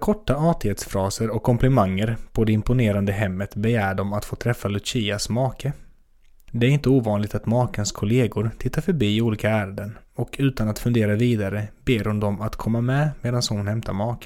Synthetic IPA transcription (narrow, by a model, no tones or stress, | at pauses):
kʰɔʈːaɑːt̪ɪheːt̪sfɾɑːsəɾɔkʰːɔmplɪmaŋːəɾpʰɔd̪ɛɪmpʊneːɾand̪əɦɛmːət̪bɛjæːɖɔmat̪foːt̪ʰɾɛfːalɵt͡ʃiːasmɑːkə | d̪ɛæɾɪnt̪əuːvɑːnlɪɡ̚t̪at̪mɑːkənskʰʊleːɡʊɾt̪ʰɪt̪ːaɾfœɾbiːɪuːliːkaæːɾad̪ənɔkʰʉ̟ːt̪anat̪fɵnd̪eːɾaviːd̪aɾəbeːɾhʊnd̪ɔmat̪kʰɔmːamɛmeːd̪anshʊnhɛmt̪ʰa̰ɾmɑːkə̥